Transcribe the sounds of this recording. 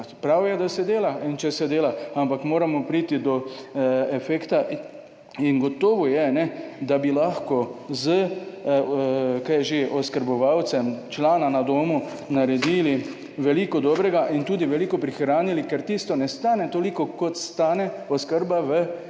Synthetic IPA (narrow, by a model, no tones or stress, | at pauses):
pɾawjɛd̪asɛd̪eːlaint͡ʃɛsɛd̪eːlaampakmoːɾamɔpɾiːt̪id̪ɔ | ɛfɛːkt̪a | inɡɔt̪oːʋɔjɛnɛd̪abilaxkɔzə | kajɛʒeʔɔskəɾbɔʋawt̪sɛmt͡ʃlaːnanad̪oːmu | naɾɛd̪iːli | ʋɛlikɔd̪ɔːbɾɛɡaʔint̪uːd̪iʋɛlikɔpɾixɾaːnilikɛɾt̪ist̪ɔnɛst̪aːnɛt̪olikɔkot̪st̪aːnɛ | ɔskəɾbaʋə